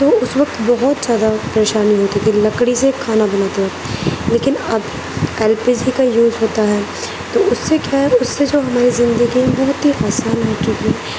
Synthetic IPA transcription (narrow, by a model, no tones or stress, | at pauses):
t̪oːʊsʋɐk̚t̪bɐɦɔt̪zjaːd̪apɐɾeːʃaːniɦoːt̪it̪ʰilɐkɽisekʰaːnabɐnaːt̪eɦɛ | leːkɪnɐb | eːlpiːd͡ʒikajuːzɦoːt̪aɦɛː | t̪oʊsːekjaːɦɛʊsːed͡ʒoːɦɐmaːɾizɪ̃nd̪əɡiẽbɐɦʊt̪ɦiʔaːsaːnɦoːt͡ʃuk̪i